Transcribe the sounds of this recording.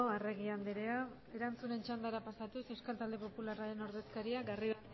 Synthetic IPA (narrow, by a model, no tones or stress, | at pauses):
oare̞ɣ̞iand̪iɾea | e̞ɾant͡sune̞nt͡ʃand̪aɾapasat̪usewskalt̪ald̪e̞po̞pularaɾe̞no̞ɾðe̞skaɾiaɡarið